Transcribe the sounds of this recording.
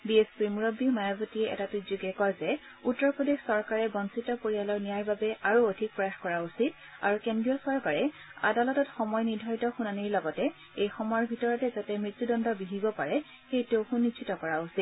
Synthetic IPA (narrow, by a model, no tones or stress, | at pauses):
biespiɹmuɹobimajɔbotiɛʔɛ̰tatuzuɡɛkɔjzɛ | utːɔɹpɹodexsɔɹkaɹɛbɔnsitɔpoɹijalɔɹnijaɹbabɛʔaɹuodʱik̚pɹɔaxkɔɹausit̚ | a̰ɹukendɹijɔsɔɹkaɹɛ | a̰dalɔtɔtxɔmɔjniɹdʱɔɹitɔxunaniɹlɔɡɔtɛ | ejxɔmɔjɔɹbʱitɔɹɔtɛzatɛmɹit̪ːudɔndɔbiɦibɔpaɹɛ | xejtewxunːit͡ʃʰitɔkɔɹausit̚